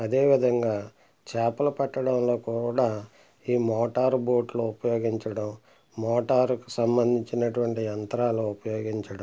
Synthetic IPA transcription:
ɐd̪e̞ːʋid̪ʱɐŋɡaː | t͡ʃɛːpɐlɐpɐʈːɐɽɐmlo̞ːkuːɽaː | iːmɔːʈaːɾboːʈloːupɐjoːɡiɲt͡ʃɐɽɐm | mɔːʈaːɾkusɐmbɐnd̪ʱiɲt͡ʃinɐʈuʋɐɳʈiɐnt̪ɐɾaːloːupɐjoːɡiɲt͡ʃɐɽɐm

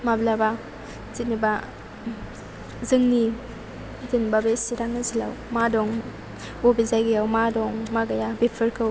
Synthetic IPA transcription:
mablaba | it̚niba | zɯŋni | tinibabesiɾaŋnɯzila̰w | madɔŋ | obizajɡijawmadɔŋmaɡajabepʰɯɾkʰɯw

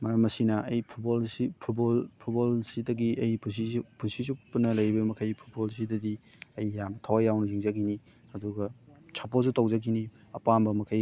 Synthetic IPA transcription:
mɐɾɐmːɐsinɐʔɐjpʰut̚bolsipʰutbolpʰut̚bolsidɐɡiʔɐjpʰusipʰunsizupɐnɐlɐjbɐmɐkʰɐjpʰu̥t̚bols̬idɐdi | ɐjːamtʰawajawnɐziŋzɐɡini | hɐduɡɐt͡ʃʰapos̬utowzɐɡini | ɐpambɐmɐkʰɐj

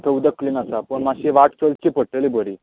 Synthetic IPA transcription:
t̪ʰəud̪əkliːnasapəɳmaɕeʋaʈt͡ɕəlt͡ɕepəɽʈəlibʱəɾi

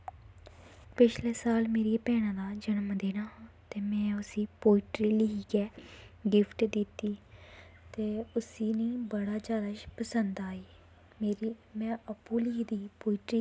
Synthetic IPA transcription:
pɪt͡ʃleːsaːlmeːɾiepɛːɽ̃ãːd̪aːd͡ʒənəmd̪eːnaːt̪eːmɛ̃ːʊsiːpoːɪʈɾiːliiːɡɛːɡɪpʰʈd̪ɪt̪ːiːt̪eːʊsiːniːbəɽaːd͡ʒaːd̪aːʃpəsənd̪aːiː | meːɾimɛ̃ːəpuːliːd̪iːpoːɪʈɾiː

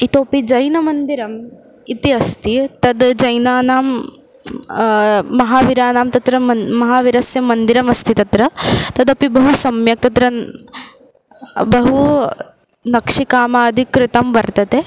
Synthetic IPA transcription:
it̪oːpid͡ʒɐjnɐmɐnd̪iɾɐm | it̪iɐst̪it̪ɐd̪d͡ʒɐjnaːnaːm | ɐɦaːʋiɾaːnaːmt̪ɐt̪ɾɐɐmɐɦaːʋiɾɐsjɐmːɐnd̪iɾɐmɐst̪it̪ɐt̪ɾɐt̪ɐd̪ɐpibɐɦusɐmjɐk̚t̪ɐt̪ɾɐ | bɐɦu | nɐkʂikaːmaːd̪ʱikɾɪt̪ɐmʋɐɾt̪ɐt̪e

